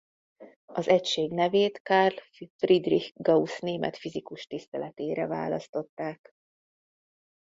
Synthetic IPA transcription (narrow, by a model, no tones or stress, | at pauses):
ɒzɛcʃeːɡnɛveːt̪karl | frid̪rihɡɒusneːmɛ̰t̪fizikuʃt̪ist̪ɛlɛt̪eːɾɛva̰ːlɒst̪o̞t̪ːaːk